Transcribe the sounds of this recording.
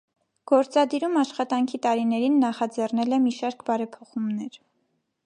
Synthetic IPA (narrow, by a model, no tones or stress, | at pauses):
ɡ̥ɔɾt͡sɑd̪iɾumɑʃχɑt̪ɑŋkʰit̪ɑɾinɛɾinːɑχɑd͡zɛrnɛlɛmiʃɑɾkbɑɾɛpʰɔχumnɛɾ